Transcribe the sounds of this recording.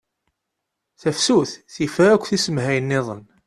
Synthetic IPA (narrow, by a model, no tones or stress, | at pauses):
θæfsuθθifəɾækʷːθisəmhæjənːɪðˤə̰n